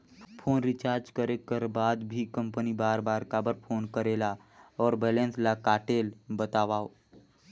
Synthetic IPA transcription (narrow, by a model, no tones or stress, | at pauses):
pʰoːnɾɪt͡ʃaːɾd͡ʒkəɾekəɾbaːd̪bʱikə̃mpənibaːɾbaːɾkabəɾpʰoːnkəɾeːla | ɔːɾbɛːlẽnslakaːʈeːlbət̪aːʋaːo